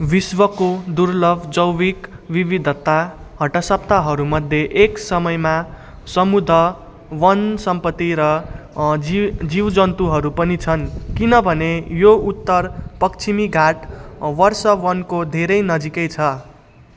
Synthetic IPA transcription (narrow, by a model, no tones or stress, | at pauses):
biswʌkod̪uɾlʌbʱd͡zʌwwikwiβid̪ʱʌt̪ːa | ɦʌʈʌsʌp̚t̪aɦʌɾumʌd̪ʱːjeʔeksʌmʌjma | sʌmud̪ʱʌ | wʌnsʌmpʌt̪ːiɾʌ | id͡ziwd͡zʌnt̪uɦʌɾupʌnit͡sʰʌnkinʌbʱʌnejout̪ːʌrpʌkt͡sʰimiɡʱaʈwʌrsʌwʌnkod̪ʱeɾʌjnʌd͡zikʌjt͡sʰʌ